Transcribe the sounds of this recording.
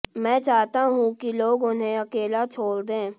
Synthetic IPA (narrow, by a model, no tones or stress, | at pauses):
mɛ̃ːt͡ʃaːɦt̪aɦũkiloːɡʊnɦẽɐkeːlat͡ʃʰoːld̪ẽː